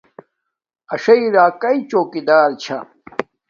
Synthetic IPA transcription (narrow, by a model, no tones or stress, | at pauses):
ɐʂɐiɾaːkɐit͡ɕoːkid̪aːɾt͡ɕʰɐ